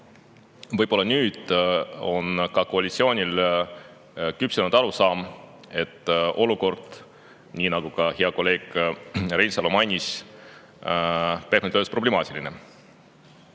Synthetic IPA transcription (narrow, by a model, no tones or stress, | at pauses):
vɤjb̥o̞lːɑnyːd̪̥o̞̰nkɑkoɑlʲit̪sio̞ːnʲil | kypselnud̪̥ɑɾusɑːm | e̞t̪ːʔo̞luko̞rd̪̥ | niːnɑɡ̥ukɑheɑko̞lːe̞ːɡ̥rejnsɑlo̞mɑnʲːis | pe̥nyd̪øːspro̞blemɑːt̪ʲiline